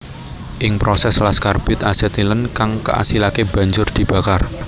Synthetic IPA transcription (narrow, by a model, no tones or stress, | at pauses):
ʔɪŋpɾosɛslaskarb̥ʊt̪asɛt̪ilənkaŋkə̰ʔa̰silakeb̥ä̤ɲd͡ʒʊrd̪̥i̤b̥ä̤kar